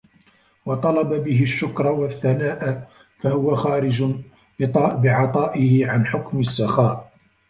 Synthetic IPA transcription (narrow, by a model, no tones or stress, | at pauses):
wɑt̪ˤɑlɑbabɪɦɪʃːʊkɾˤɑwaθːanaːʔa | fahʊwaxaːɾɪd͡ʒʊ | ɑbɪʕɑt̪ˤɑːʔɪhɪʕanħʊkmɪsːaxaːʔ